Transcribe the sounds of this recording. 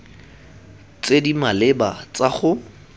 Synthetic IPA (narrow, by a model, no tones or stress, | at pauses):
t͡sedimalɪbat͡saχʊ